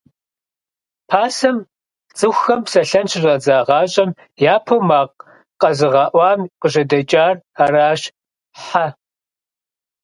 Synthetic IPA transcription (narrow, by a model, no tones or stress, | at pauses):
pʰaːsɐm | t͡sʼɨxʷxɐmpsɐɬɐnʃʰɪrɐd͡zaːʁɑːɕʼɐm | jaːpʰowmaːq | qɐzɨʁɑːʔʷɑːmqəʒɐdɐt͡ʃʼaːr | araːɕ | ħa